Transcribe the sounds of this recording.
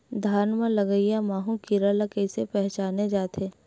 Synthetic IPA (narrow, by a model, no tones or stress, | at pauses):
d̪ʱaːɾnmãlɐɡəijamaːɦũkiɾalɐkəɪsepɛɦt͡ʃaːned͡ʒaːt̪ʰeː